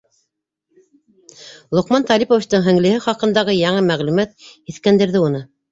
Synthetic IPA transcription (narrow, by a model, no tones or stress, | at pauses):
lˠŏqmɑnt̪ɑlʲipovit͡ɕt̪ɤɴɦɘ̆ŋlɘ̆hɘχɑqɤ̆nd̪ɑʁɤjɑɴɤmæʁlʉmæt̪̚iθkænd̪ɘ̆ɾðɘunɤ